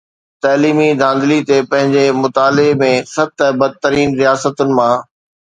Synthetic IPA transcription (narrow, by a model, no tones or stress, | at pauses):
t̪aːliːmid̪ʱãːnd̪lit̪epɐ̃ɦɪ̃ɲd͡ʑemʊt̪aːlɪmẽsɐb̚t̪əbɐd̪̚t̪əɾiːnɾijaːsət̪ʊnɪ̆mã